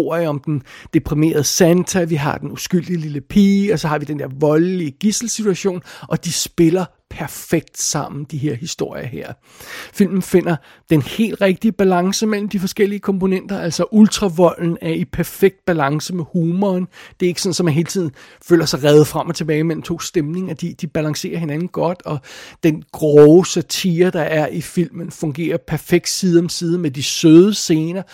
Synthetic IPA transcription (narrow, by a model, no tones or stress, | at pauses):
o̝ɐ̰jəɒ̽md̥end̥e̝pʰʁime̝̰ːɐð̞̩ˠəsænt͡sʰæʋiɦɑ̈d̥enusɡ̥yl̰d̥ililəpʰḭːɒ̽sɒ̽hɑ̈ʋid̥end̥eɐ̰ʋɒ̽lliəɡ̥isl̩sit͡sʰuæɕo̝̰ːnʔɒ̽d̥isb̥e̝lɐ | pʰæɐfeɡ̥̚d̥sɑ̈m̰n̩d̥iɦe̝ɐ̰hisd̥o̝ɐ̰jɐheɐ̰ | fil̰mn̩fe̝n̰ɐ | d̥enhe̝̰ːld̥ʁeɡ̥̚d̥iəb̥ælɑ̈ŋsəmel̰m̩d̥ifɒ̽sɡ̥el̰iəkʰɒ̽mpo̝nen̰d̥ɐʔæl̰sɒʔult͡sʰʁɑ̈ʋɒ̽l̰n̩æɐipʰæɐfeɡ̥̚d̥̚b̥ælɑ̈ŋsəmehuːmɒːnd̥e̝e̝ɡ̥əsɒ̽n̩sɒ̽mænɦe̝ːlt͡sʰið̞̰ˠn̩fø̰ːlɐsɑ̈ɪʁɛːð̞̩ˠfʁam̰ɒt͡sʰe̝b̥ɛːɪmel̰m̩t͡sʰo̝̰ːsd̥emne̝ŋɐd̥id̥ib̥ælɑ̈ŋse̝̰ːɐɦe̝nænn̩ɡ̥ɒ̽d̥ɒ̽d̥enɡ̥ʁɔʊsæt͡sʰiːɐd̥ɑ̈ʔæɐʔifil̰mənfɔ̽ŋɡ̥e̝̰ːɐpʰæɐfeɡ̥̚d̥siːðˠɒ̽msiːðˠəmed̥isøːðˠəse̝ːnɐ